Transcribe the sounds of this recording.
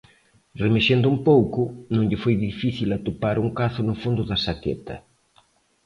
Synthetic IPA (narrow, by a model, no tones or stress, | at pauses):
remeʃend̪ʊumpowkʊnõŋʎɪfojðifiθilat̪opaɾuŋkaθʊnʊfund̪ʊðɐsakḛt̪ɐ̰